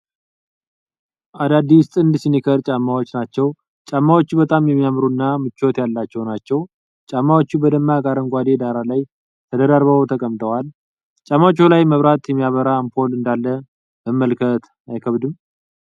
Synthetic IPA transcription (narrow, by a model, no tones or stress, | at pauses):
ʔad̪ad̪ːist̪ʼɨnd̪ɨsinikʰəɾt͡ʃʼamːawo̞t͡ʃːnat͡ʃːɛw | t͡ʃʼamːawo̞t͡ʃːbət̪ʼamjɛmːijamɾunːamɨt͡ʃːo̞t̪jalːat͡ʃːɛwnat͡ʃːɛw | t͡ʃʼamːawot͡ʃːubəd̪əmːaɡaɾəŋɡʷad̪e̞d̪aɾalaj | t̪ʰəd̪əd̪aɾβət̪ʰəkʼəmt̪ʰʼəwal | t͡ʃʼamːawt͡ʃːulajməβɾat̪jɛmːijaβəɾaːmpʰo̞lɨnd̪alːə | məmːəlkʰət̪ | ajkʰəβd̪ɨm